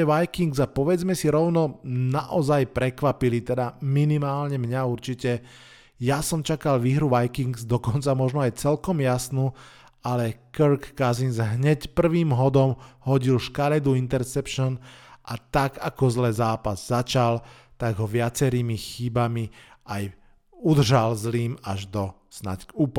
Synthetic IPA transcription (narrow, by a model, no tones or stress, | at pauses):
ɛʋajkiŋɡzapɔʋɛd͡zmɛsiɾɔʊnɔnaʔɔzajpɾɛkʋapilit̪ɛd̪aminimaːlɲɛmɲauɾt͡ʃicɛ | jasɔmt͡ʃakalʋiːɦɾuʋajkiŋɡzd̪ɔkɔnt͡samɔʒnɔajt͡sɛlkɔmjasnu | alɛkɾkːazinzɦɲɛcpr̩ʋiːmɦɔd̪ɔmhɔɟilʃkaɾɛd̪uint̪ɛɾsɛpʃɔnʔat̪aɡakɔzlɛzaːpazːat͡ʃal | t̪aɡɦɔʋɪat͡sɛɾiːmixibamiʔaj | ud̪r̩ʒalzliːmaʒd̪ɔ | sna̰cuːp